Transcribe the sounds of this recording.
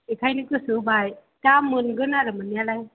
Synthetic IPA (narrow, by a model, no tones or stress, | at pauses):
ekʰajnɯkɯsɯbaj | tamːɯnɡɯnaɾɯmɯnjalaj